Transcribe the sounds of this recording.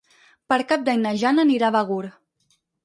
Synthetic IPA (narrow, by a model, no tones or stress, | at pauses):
pəɾkap̚d̪aɲnəʒanəniɾaβəɣuɾ